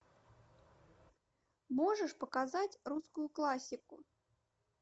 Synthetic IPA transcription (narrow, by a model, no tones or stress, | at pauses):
mɔʐəʂpɐkazat͡sʲruskʊjʊklˠasʲiku